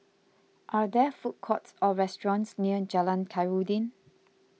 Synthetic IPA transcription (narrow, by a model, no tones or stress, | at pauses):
ʔad̪ɛfut̚kʰɔtsɔɹɛstɹɔ̃nsniəd͡ʒalãnkʰaɪɹudĩn